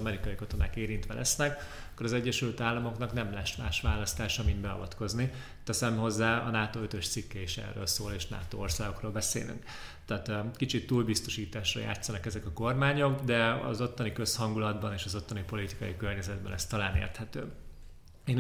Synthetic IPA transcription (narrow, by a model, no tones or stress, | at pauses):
ɒmɛɾikɒjikɒt̪o̞naːkeːɾint̪ʋɛlʔɛ̰snɛk | ɒ̥kːoɾɒzɛɟːɛʃylt̪aːlːɒmo̞knɒknɛmlɛʃma̰ːʃʋaːlɒst̪aːʃɒmind̪bɛɒ̰vɒt̪ko̞zni | t̪ɛsɛmɦo̞zːaːɒ̰naːt̪oːøt̪øʃt̪sikːɛiʃɛ̰rːø̰ːlsoːleːʃna̰ːt̪o̰ːorsaːɡo̞kroːlbɛsḛːly̰ŋk | t̪aːt̪kit͡ʃit̪ːuːlbist̪o̞ʃiːt̪aːʃrɒ̰ja̰ːt̪sɒnɒkɛzɛkɒko̞rmaːɲo̞kd̪ɛɒ̰zo̞t̪ːɒnikø̞shɒŋɡulɒd̪bɒneːʃɒzo̞t̪ːɒnipo̞lit̪i̥kɒjikø̞rɲɛzɛd̪̚bɛnɛst̪ɒlaːnḛːrt̪hɛt̪ø̰ː | eːn